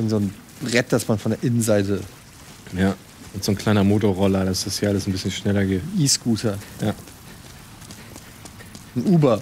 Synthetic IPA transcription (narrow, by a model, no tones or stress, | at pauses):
ʊnzoːn | ʁɛt̚d̥asmanfɔndeːɐʔɪnənzaɪtə | jaː | ʔʊntz̥oːnkl̥aɪnɐmoːtoʁɔlɐdasd̥ashiːɐʔaləsn̩bɪsçənʃnɛlɐɡeːtʔiːsɡ̥uːtʰɐjaː | n̩ʔuːbɐ